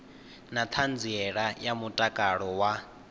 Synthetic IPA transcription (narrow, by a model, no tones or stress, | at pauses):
nat̪ʰand͡ziɛɺajamutʼakʼaɺɔwa